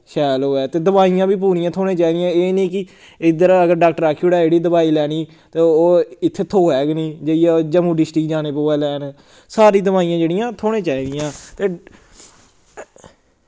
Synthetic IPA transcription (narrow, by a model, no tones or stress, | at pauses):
ʃɛːloːɛːt̪eːd̪əbaːijãːbiːp̬uːɾijãːt̪ʰoːɽẽːt͡ʃaːiːd̪ijãːeːniːkɪ | ɪd̪əɾəɡəɾɖaːk̚ʈəɾaːkʰːioɽaːeːɽiːd̪əbaːiːlɛːniː | t̪eːoːɪt̪ʰːeːt̪ʰːoːɛːɡnĩːd͡ʒeiɛːd͡ʒəmũːɖɪsʈɪkd͡ʒaːneːpoːɛːlɛːn | saːɾiːd̪əbaːijãːd͡ʒeːɽɪjãːt̪ʰoːɽẽːt͡ʃaːiːd̪ɪjãːt̪eː